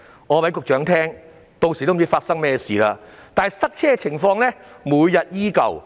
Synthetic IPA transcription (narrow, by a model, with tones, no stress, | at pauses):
ŋɔː˨˧pɐ˨˥jkʊ˨k̚t͡ʃœː˨˥ŋt̪ʰɛː˥ŋ | t̪o˧wsi˨t̪o˥m˨t͡si˥faː˧t̚sɐ˥ŋmɛː˥˩siː˨laː˧t̪aː˨sɐ˥k̚t͡sʰɛː˥˧t͡sʰɪ˨˩ŋfɔː˧ŋlɛ˥muː˨˧jjɐ˨t̚jiː˥kɐ̰˨˩w